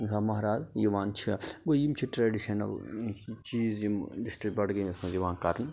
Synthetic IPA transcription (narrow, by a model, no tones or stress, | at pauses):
zamɐɦɾaːzjiʋaːnt͡ʃʰiɡojimt͡ʃʰiʈɾaɖiʃɐnɐ̰lt͡ʃiːzjimɖisʈɾik̚ʈbɐɽɡɐɐsmɐziʋaːnkɐɾn